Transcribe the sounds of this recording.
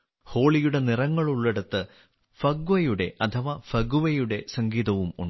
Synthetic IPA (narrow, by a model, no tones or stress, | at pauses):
ho̞ːɭijuɽe̞nirɐŋːɐɭuɭːeɽut̪ːɨ | fɐɡʋɐjuɽe̞̰ʔɐt̪ʰɐʋɐfɐɡuʋɐjuɽe̞sɐŋɡiːðɐʋumṵɳ